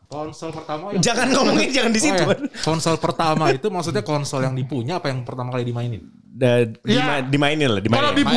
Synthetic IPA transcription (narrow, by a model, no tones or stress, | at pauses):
kɔnsɔlpərt̪amad͡ʒaŋankomoŋɛnd͡ʒaŋandisitj̪uankɔnsɔlpərt̪amait̪umaksut̪ɲakɔnsɔljaŋdipuɲaːpajaŋpərt̪amakalidimainɪn | əjiamadimainɪnladimanadi